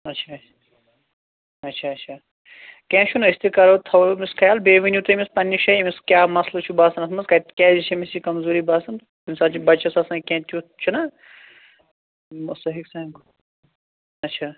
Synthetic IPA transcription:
ɐtːʃʰa | ɐtːʃʰaːɐtʃʰaː | kɛ̃ːʃʰunɐist̪ikɐɾot̪ʰɐwomiskʰɐjaːlbeːʋinjut̪umispɐnːiʃɐimiskʲjaːmɐslot͡ʃʰubaːsɐnɐsmɐnzkɐt̪kʲɛ̃ːzit͡ʃʰɐmisikɐmzoːɾibaːsɐn | insaːt͡ʃʰibɐt͡ʃʰɐsɐsãːkɛ̃ːt̪ʰʲjut͡ʃʰunɐ | must̪ɐɦiksɐ̃ɡ | ɐtːʃʰaː

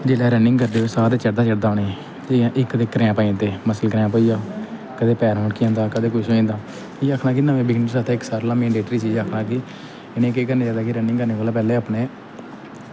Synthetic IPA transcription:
d͡ʒeːlɛːɾɛːnɪ̃ŋɡkəɾd̪eːʋeːsaːɾet͡ʃəɽd̪aːt͡ʃəɽd̪aːneː | d͡ʒeːãːʔɪkd̪eːkːəɾeːãːpaːĩːt̪eːməsəlkəɾeãːp̬əːiːaː | kəd̪eːpɛːɾmõːɳɖkiãːnd̪aːkəd̪eːkʊʃĩːnd̪aː | iːaːkʰnaːkɪnaːʋẽːbɪɡɪnɾsaːt̪eːɪksaːɾlãːmɛ̃ːɳɖeːʈɾiːt͡ʃiːd͡ʒaːkʰnãːki | ɪnẽːkeːkəɾneːd͡ʒaːd̪aːkiɾɛːnɪ̃ŋkəɾneːʋaːlaːpɛːleːaːpneː

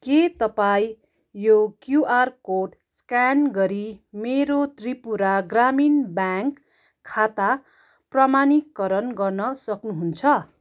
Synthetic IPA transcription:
ket̪ʌpaĩ | jokjuʔarkoʈ | skanɡʌɾimeɾot̪ripuɾaɡraminbjaŋkʰː | at̪a | pramanikːʌɾʌnɡʌrnʌsʌknuɦunt͡sʰʌ

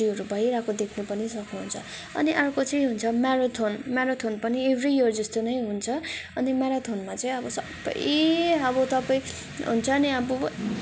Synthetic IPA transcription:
iʌɾubʱʌjɾakod̪ekʰnupʌnisʌknuɦunt͡sʰʌ | ʌ̰niʔarkot͡sʌĩɦunt͡sʰʌmaɾot̪ʰonmaɾot̪ʰonpʌniebʱrijʌrd͡zʌst̪onʌjɦunt͡sʰʌʌnimaɾat̪ʰonmat͡sʌĩʌbʌsʌbʌ̰jeʌbʌt̪ʌpʌj̃ | ɦṵnt͡sʰʌniʌbʌ

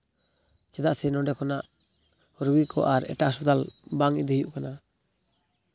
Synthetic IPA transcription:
t͡ʃɛd̪aʔsɛnɔɖɛkʰɔnaʔ | ɔɾɡikʰɔ̰ʔaɾɛ̰ʈaʔsɔt̪albaŋid̪eɦjuʔkana

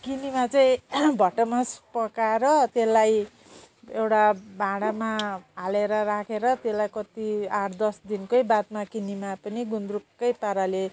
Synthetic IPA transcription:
kinimat͡sʌĩbʱʌʈʌmʌspʌkaɾʌt̪elːaj | ewʈabʱãɽamaɦaleɾʌɾakʰeɾʌt̪elajkʌt̪iard̪ʌsd̪inkʌjbad̪̚makinimapʌniɡund̪rukːʌjpaɾale

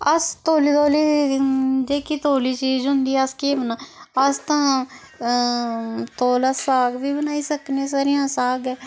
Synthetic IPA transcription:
əst̪oːliːt̪oːliː | d͡ʒeːkiːt̪oːliːt͡ʃiːzɦʊnd̪iːɛəskeːbənãːəst̪ãː | t̪oːlaːsaːɡʋiːbənaːiːsəknẽːsaːɾijãːsaːɡɛː

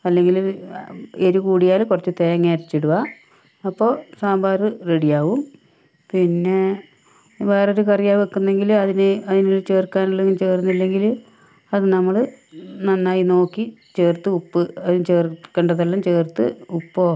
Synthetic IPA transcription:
ɐlːe̞ŋɡil | eɾukuːɽijaːlkurɐt͡ɕːɨt̪ejɐŋːeːɾit͡ɕːiɽuʋa | ɐpːo̞ːsaːmbaːrɨreɽijaːʋum | pinːe̞ | ʋe̞ːroɾukɐrijaːʋekːunːe̞ŋɡilɐðinɨɐðinolt͡ɕe̞ːrkːaːnɐlːeŋɡimt͡ɕe̞ːrunːilːe̞ŋɡil | ɐðɨnɐmːɐɭɨ | nɐnːaːjino̞ːkːit͡ɕeːrt̪ːɨupːɨɐðint͡ɕeːrkːɐɳɖɐðɐlːɐmt͡ɕe̞ːrt̪ːɨ̰upːoː

